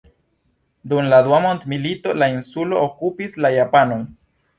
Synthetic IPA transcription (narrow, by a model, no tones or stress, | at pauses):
d̪umlad̪uamont̪milito̞lainsulo̞okupislajapano̞n